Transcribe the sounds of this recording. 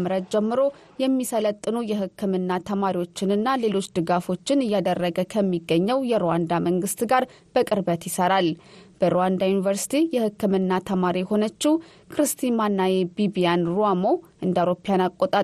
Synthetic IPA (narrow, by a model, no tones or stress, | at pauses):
mɨɾət̪d͡ʒɛmːɨɾo̞ | jɛmːisələt̪ʼːɨnujɛhɨkʰːɨmɨnːat̪ʰəmaɾiwo̞t͡ʃːɪnɨnːale̞lo̞t͡ʃːd̪ɨɡafo̞t͡ʃːɪnɨjːad̪ərːəɡəkʰəmːiɡːəɲːəwjɛɾowand̪aməŋɡɨst̪ɡaɾ | b̥əkʼɨɾbət̪jɪsəɾalb̥əɾowand̪ajunivəɾsi̥t̪ʰijɛhɨkːɨmɨnːat̪ʰəmaɾiho̞nət͡ʃːɪw | kɾɨst̪ʰimanːajebibijanɾoamoʔɨnd̪əawɾo̞pijanakʼot̪ʼa